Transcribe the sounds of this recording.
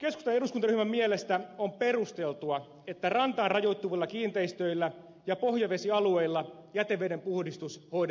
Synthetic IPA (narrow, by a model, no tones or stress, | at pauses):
ke̞skust̪ɑneɾuskunt̪ɑɾyhmæmmiele̞st̪æo̞mpe̞rust̪e̞lt̪uɑ | et̪ːærɑnt̪ɑːnrɑjo̞jt̪ːuʋilːɑkiːnt̪eist̪øilːæ | jɑpo̞hjɑʋe̞siɑlueilːɑjæt̪eʋːˑedempuhdist̪usho̞id